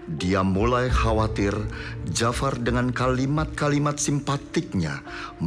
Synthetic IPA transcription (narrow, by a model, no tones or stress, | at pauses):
diamulajhawat̪ɪrd͡ʒafardəŋankalimat̪̚kalimat̪̚simpat̪ɪk̚ɲa̰m